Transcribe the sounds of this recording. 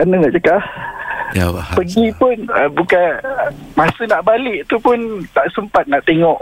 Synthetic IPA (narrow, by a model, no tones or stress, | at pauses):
anaŋaʔt͡ʃəkah | pəɡipʊnəbukanmãsənaʔbalɪʔt̪upʊnt̪aʔsəmpat̪̚naʔt̪eŋɔʔ